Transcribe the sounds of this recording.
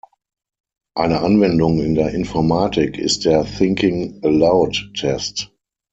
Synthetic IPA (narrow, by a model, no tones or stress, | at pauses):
ʔaɪnəʔanvɛndʊŋɪ̃ndeːɐʔɪnfɔɐmaːtʰɪkʰɪ̰st̚d̥eːɐθɪ̃ŋkɪ̃ŋəlaʊtːʰɛst